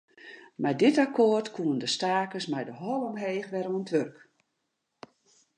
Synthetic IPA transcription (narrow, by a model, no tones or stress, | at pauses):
mɛjdɪtakʰoːrtkʰuəndəstaːkəsmɛjdəɦɔlˠəmɦeːxʋɛɾoəntʋørk